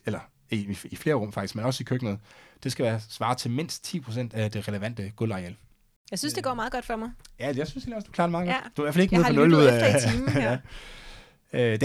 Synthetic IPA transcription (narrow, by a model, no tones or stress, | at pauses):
elɐ | iifle̝ːɐʁɔ̽mfɑ̈ɡ̥d̥isɡ̥menɒ̽səikʰøɡ̥nəð̩ˠd̥e̝sɡ̥æʋæːɐsʋɑ̈ːt͡sʰe̝lme̝n̰sd̥̚t͡sʰḭːpʰʁo̝s̬en̰d̥æd̥e̝ʁɛləʋæn̰d̥əɡ̥ɔlʁɑ̈el | jaɪsynsd̥e̝ɡ̥ɒ̰ːmɑ̈ːðˠɡ̥ɒ̽d̥fɒmaɪjæjasynsheli̥ɒ̽sd̥u̥kʰlḛːɐɾemɑ̈ðˠɡɒd̥d̥uɐʋæɐfæleɡ̥neðʰɒnɔ̽luð̰ˠ | æ | ød̥